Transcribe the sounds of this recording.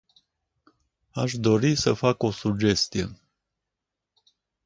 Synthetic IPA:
aʃd̪o̞ɾisəfako̞sud͡ʒe̞st̪ije̞̰

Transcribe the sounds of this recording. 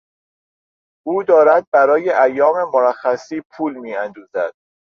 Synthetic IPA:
ʔuːd̪ɒːɾæd̪̚bæɾɒːjeʔæjːɒːme̞moɾæxːæsiːpʰuːlmiːænd̪uːzæd̪̥̚

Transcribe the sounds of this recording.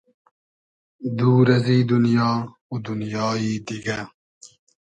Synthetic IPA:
d̪uːɾɐziːd̪ʊnjɑː | ud̪unjɑːiːd̪iɡɐ

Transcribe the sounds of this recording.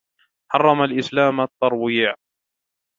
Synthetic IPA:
ħɑrˤːɑmalʔɪslaːmat̪ˤːɑɾˤwiːʕ

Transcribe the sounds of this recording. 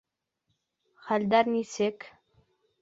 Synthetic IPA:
χælʲd̪æɾnisɘk

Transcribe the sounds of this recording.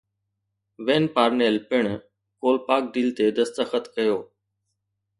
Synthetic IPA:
ʋeːnpaːɾneːlpɪɳ | koːlpaːk̚ɖiːlt̪eːd̪əst̪əxət̪kəjoː

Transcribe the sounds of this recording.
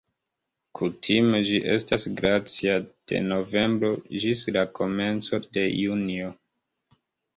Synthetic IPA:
kʰutʰime̞d͡ʒiʔe̞stasɡɾat͡siad̥e̞̰no̞ve̞mbɾo̞d͡ʒislakʰo̞me̞nt͡so̞de̞junio̞

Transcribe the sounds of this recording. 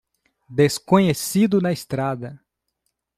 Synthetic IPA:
d̪eskõɲesid̪ʊnɐest̪ɾad̪ɐ

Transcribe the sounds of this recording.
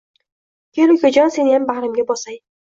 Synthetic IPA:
kʲʰelʊkʲʰad͡ʒɒnse̞njambahɾɪmɡʲabɒsaj

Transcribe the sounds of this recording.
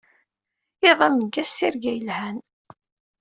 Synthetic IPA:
eðˤæmnəɡːæsθiɾɡæjlhæn

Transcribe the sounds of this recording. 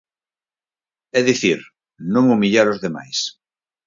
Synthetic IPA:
ɛðiθiɾ | nõŋumiʎaɾozðema̰js

